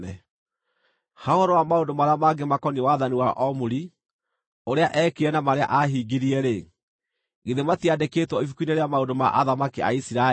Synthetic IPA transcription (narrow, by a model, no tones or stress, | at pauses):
ɛ | haoɔɾɔwamaondomaɾeamaːɡemakɔniwaðaniwaʔɔmuɾi | oɾeaʔɛkeɛnamaɾea̰ʔaɦiɡiɾiɛɾe | ɡeðematiadeketwɔifukuineɾeamaodoma̰ʔaðamakia̰isiɾa